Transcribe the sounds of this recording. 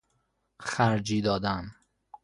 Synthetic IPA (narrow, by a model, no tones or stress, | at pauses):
xæɾd͡ʒiːd̪ɒːd̪æm